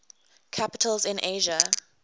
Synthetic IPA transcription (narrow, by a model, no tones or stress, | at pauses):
kʰapɪtʰəlzɪ̃nʔeɪʒə